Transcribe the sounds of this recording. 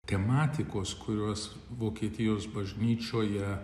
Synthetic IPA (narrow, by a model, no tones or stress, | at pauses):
t̪ʲɛmɑːt̪ʲɪkoːskʰʊɾʲoːs | ʋoːkʲiɛt̪ʲɪjoːsbɐʒʲnʲiːt͡ʃʲoːjɛ